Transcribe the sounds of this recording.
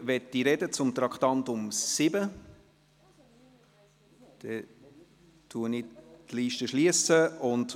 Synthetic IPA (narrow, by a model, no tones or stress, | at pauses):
ʋɛt̪ːiɾɛdət͡sʊmt̪ɾɑkt̪ɑntʊmsɪbə | d̥ɛ | tʰuənɪtliːʃtəʃliəsəʊnd